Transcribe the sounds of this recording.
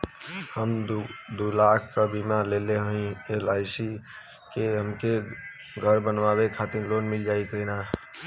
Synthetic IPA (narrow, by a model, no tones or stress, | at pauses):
həmd̪uːlaːkʰkabimaleleɦəĩelaːɪsi | keɦəmke | ɡʱəɾbənʋaːwekʰat̪ɪɾloːnmɪld͡ʒaːik̪ənaː